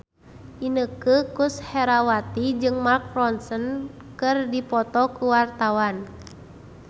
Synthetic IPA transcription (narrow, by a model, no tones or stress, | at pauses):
ʔinəkəkushɛɾawat̪id͡ʒɨŋmark̚rɔnsən | kɨrdipɔt̪ɔkuwart̪awan